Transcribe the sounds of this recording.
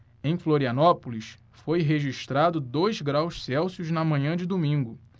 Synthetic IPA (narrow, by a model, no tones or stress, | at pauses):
ẽj̃floɾiɐnɔpulis | fojɦeʒiʃt̪ɾad̪ʊd̪ojzɡɾawʃsɛwsiʊznɐmɐ̃ɲɐ̃d͡ʒɪd̪omĩŋɡʊ